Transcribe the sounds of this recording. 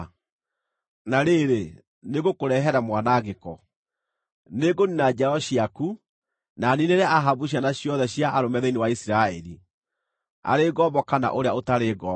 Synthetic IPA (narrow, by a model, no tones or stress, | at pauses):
naɾeɾe | neɣokoɾɛɦɛɾamwanaɣekɔ | neɡoninad͡ʒaɾɔɕiaku | nanineɾaaɦabuɕ̬janaɕjɔðɛɕjaʔaɾomɛðenewaisiɾaɛɾi | a̰ɾeɡɔːbɔkana̰ʔoɾeaotaɾeːɡɔ